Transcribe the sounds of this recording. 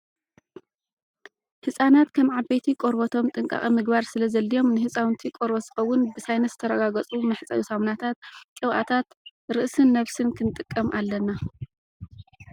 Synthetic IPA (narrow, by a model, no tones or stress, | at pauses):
hɨsʼanat̪kʰɐmʕabet̪ʰikʼoɾbɐt̪ʰo̞mt̪ʼɨŋkʼa̰χʼimɨɡbaɾsɨlɐzɐlːijo̞mnɨhɨsʼawnt̪ʰikʼoɾbɐz̥ɨxɐwːʊnbɨsajnɐt̪zɨt̪ʰɐɾɐɡaɡɐt͡sʼumɐħt͡sʼɐ̰jusamnat̪ʰat̪̚kʼɨβʔa̰t̪ʰat̪ɾɨʔsɨnːɐβsɨnkʰɨnt̪ʼɨkʼːɐmʔalːɐna